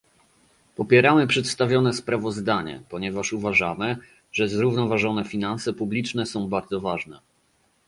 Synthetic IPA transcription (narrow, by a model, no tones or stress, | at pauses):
pɔpʲjɛɾamɘpʂɛt̪st̪avʲjɔnɛspɾavɔzd̪aɲɛ̰pɔɲɛvaʂuvaʐamɘ | ʐɛzɾuvnɔvaʐɔnɛfʲinansɛpublʲit͡ʂnɛsɔ̃w̃baɾd̪zɔvaʐnɛ